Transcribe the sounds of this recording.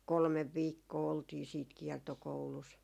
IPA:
kolmeʋ ʋiːkːoː oltiː siːt kiɛrtokoulus

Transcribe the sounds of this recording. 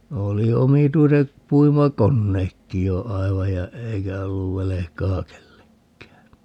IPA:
oli omituiset puimɑkonːeːkːi jo ɑiʋɑj jɑ eikæ olːuʋ ʋelekɑː kelːekːæː

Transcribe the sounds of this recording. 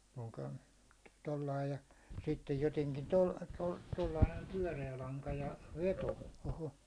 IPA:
puːko̥n̥ tolːɑi jɑ sitːej joteŋkin tol tol tolːɑi næim pyæ̹reæ lɑŋkɑ jɑ ʋeto oho

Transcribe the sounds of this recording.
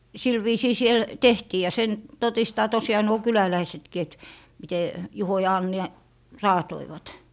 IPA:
sil ʋiːsiː siel tehtiː jɑ sen totistɑː tosiɑː nuo kylælæisetki et mite juho jɑ ɑnːi rɑːtoiʋɑt

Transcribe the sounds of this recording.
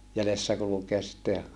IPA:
jælesːæ kulukeɑs sitːe

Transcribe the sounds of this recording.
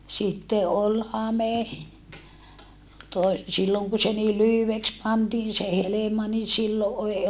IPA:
sitːe ʔol hɑme toe silːoŋ ku se niː lyhyʋeks pɑntiːn se helemɑ ni silːo ʔei

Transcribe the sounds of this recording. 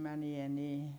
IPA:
mænie niː

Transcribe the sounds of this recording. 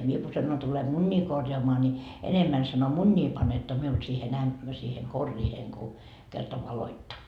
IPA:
mie ku sɑnon tule munʲːiː korjɑːmɑː ni enemːæn sɑno munʲːiː pɑnetːo miul siːhen æm siːhe korːiːheŋ ku kertɑ ʋɑloitːɑ

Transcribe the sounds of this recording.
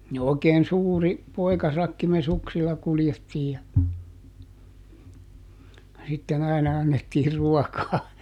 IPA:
ni oˑi̯keːn suːri poi̯kɑsɑkːi me suksilːɑ kuljetːiːj jɑ jɑ sitːen ɑinɑ ɑnːetːiː ruɔkɑː

